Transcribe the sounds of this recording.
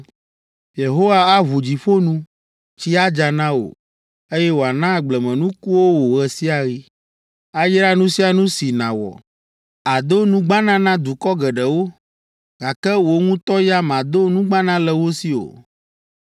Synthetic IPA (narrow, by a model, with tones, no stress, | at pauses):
je˨ɦo˦wa˦a˦βu˨d͡ʑi˨ɸo˦nũ˦ | t͡ɕi˦a˦d͡ʒa˨nã˦o̰˨ | e˦jɛ˦wo˨a˨nã˦ɡ͡blɛ˨mɛ̃˨nũ˦ku˦wo˦wo˨ɣɛ˨si˦a˨ɣi˦ | a˦jɾa˦nũ˦si˦a˨nũ˦si˨nã̰˨wɔ̰˨ | a˨d̪o˦nũ˦ɡ͡bã˦nã˦nã˦d̪u˨kɔ˦ɡɛ˨ɖɛ˨wo˦ | ɡa˨kɛ˦wo˨ŋũ˦t̪ɔ˦ja˦mã˨d̪o˦nũ˦ɡ͡bã˦nã˦lɛ˦wo˦si˦o̰˨